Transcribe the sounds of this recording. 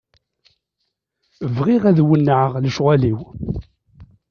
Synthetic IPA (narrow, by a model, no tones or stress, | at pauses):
əvʁiʁæðwənːəʕəʁləʃʁæliw